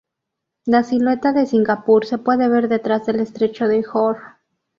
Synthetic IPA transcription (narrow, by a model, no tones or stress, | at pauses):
lasilwe̞t̪aðe̞siŋɡapuɾse̞pwe̞ðe̞βe̞ɾðe̞t̪ɾazðe̞le̞st̪ɾe̞t͡ʃo̞ðexoɾ